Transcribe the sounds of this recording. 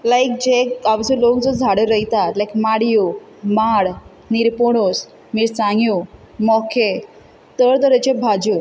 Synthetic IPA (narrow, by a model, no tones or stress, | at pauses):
lajk̚d͡ʑeaʋd͡zəlokd͡zɔd͡zʱaɽeɾəɦjt̪at̪lajkmaɽijo | maɽ | niɾpoɽos | miːɾsãŋɡjo | mɔkʰe | t̪əɽt̪əɾet͡ɕebʱad͡ʑo